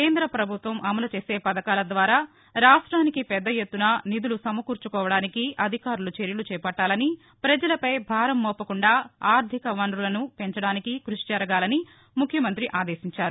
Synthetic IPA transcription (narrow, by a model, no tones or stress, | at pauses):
keːnd̪ɾɐpɾɐbʱut̪ʋɐmʔɐmɐlɐt͡ʃeːse̞ːpɐd̪ɐkaːlɐd̪ʋaːɾaː | ɾaːʂʈɾaːnikipɛd̪ːɐjet̪ːunɐnid̪ulusɐmɐkuːɾt͡ʃukɔːʋɐɽaːnikiʔɐd̪ʱikaːɾulut͡ʃeɾjɐlut͡ʃɛːpɐʈːaːlɐni | pɾɐd͡ʒɐlɐpɐjbʱaːɾɐmːɔːpːɐkuɳɖaːaːɾd̪ʱikɐʋɐɳɾulɐnupe̞ɲt͡ʃɐɽaːnikikɾuʂit͡ʃɐɾɐɡaːlɐni | mukʰjɐmɐnt̪ɾiʔaːd̪eːsiɲt͡ʃaːɾu